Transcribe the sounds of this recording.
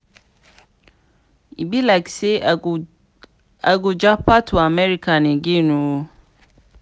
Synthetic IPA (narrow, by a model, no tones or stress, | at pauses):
ibilakse | aɡod͡ʒapʰatʰʊamɛɾikʰanɪ̃ɡenũwo